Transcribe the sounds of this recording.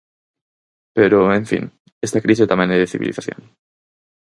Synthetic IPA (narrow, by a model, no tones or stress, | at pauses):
peɾoeɱfḭ̃n | est̪akɾiset̪ameneðeθiβḭliθaθjo̰n